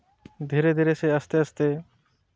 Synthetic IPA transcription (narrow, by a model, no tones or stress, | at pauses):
d̪ʱiɾed̪ʱiɾeseəst̪eəst̪e